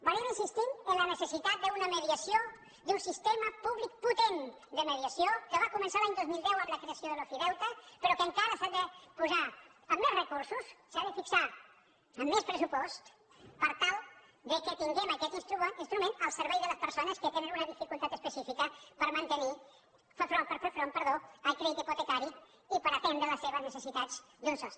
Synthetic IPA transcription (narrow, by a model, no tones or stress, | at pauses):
baɾiminsist̪inənlənəsəsit̪at̪̚d̪əunəməðiəsijo | d̪unsist̪eməpuβlik̚put̪en | d̪əməðiəsjokəβakumənsalaɲd̪ozmilˠd̪ɛwəmləkɾeəsjoðəlofiðɛwt̪əpəɾɔkəŋkaɾəsad̪əpuza | əmːezrəkuɾsussaðəfiksa | əmːespɾəsupɔst̪ | pəɾt̪alˠ | d̪əkət̪iŋɡɛməkɛt̪inst̪ɾuinst̪ɾumẽnəlˠsəɾβɛjðələspəɾsonəskət̪enənunəðifikulˠt̪at̪əspəsifikəpəɾmənt̪əni | fəfɾonpəɾfeɾfɾonpəɾðoəlˠkɾeðit̪iput̪əkaɾi | ipəɾət̪ɛnd̪ɾələsːeβəznəsəsit̪az | d̪unsos